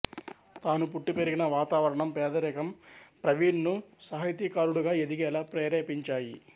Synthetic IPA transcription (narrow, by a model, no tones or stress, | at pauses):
t̪aːnupuʈːipeɾiɡinɐʋaːt̪aːʋɐɾɐɳɐmpɛːd̪ɐɾɛkɐmpɾɐʋiːɾnusɐɦɐjt̪iːkaːɾuɽuɡaːed̪iɡɛːlaːpɾɛːɾeːpiɲt͡ʃaːjḭ